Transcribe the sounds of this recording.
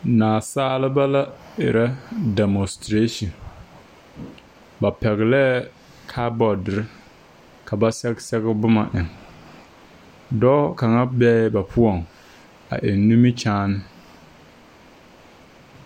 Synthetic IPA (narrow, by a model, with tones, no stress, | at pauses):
naː˨saː˦lɪ˦ba˦la˦ɪ̰˨ɾa˦dɛ˨mɔ˨stɾe˦ʃi˨n | ba˨pɛ˨ɣɪ˨lɛː˦ | kʰaː˦bɔ˨dɪ˨ɾɪ˦ | ka˨ba˦sɛ˦ɡsɛ˦ɣɪ˦bʊ˦ma̰˨ʔɪ˨ŋ | dɔː˦ka˨ŋa˦bɛː˦ba˨pʰʊ˦ɔ˨ŋ | a̰˨ʔɪ˨nː˦u˦mi˦t͡ʃaː˦nɪ˦